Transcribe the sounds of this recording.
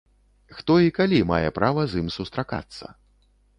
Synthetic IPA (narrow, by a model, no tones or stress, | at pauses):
xt̪ɔikalʲimajɛpɾavɐzimsust̪ɾaka̰t̪sːɐ̰